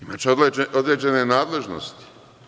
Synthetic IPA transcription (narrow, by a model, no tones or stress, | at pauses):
imat͡ʃod̪eeod̪ɾed͡ʑenenaːd̪le̞ʒno̰st̪i̥